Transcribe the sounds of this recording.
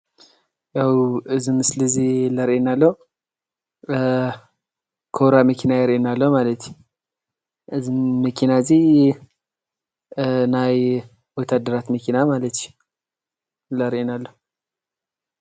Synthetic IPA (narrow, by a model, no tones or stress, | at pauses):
jawɨzɨmɨsləziləɾʔenalːəw | kʰoɾaməkʰinajɛɾenalːəwmalət̪ʃ | ɨzməkʰinaɨzi | naj | wɔt̪ʰad̪əɾat̪məkʰinamalət̪ʃ | ləɾenalːəh